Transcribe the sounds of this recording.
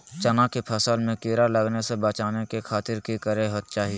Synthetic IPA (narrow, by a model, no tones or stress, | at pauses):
t͡ʃɐnakepʰɐsəlmẽkeːɾalɐɡnesebɐt͡ʃaːnekekʰaːt̪ɪɾkikɐɾeɦot̪̚t͡ʃaːɦie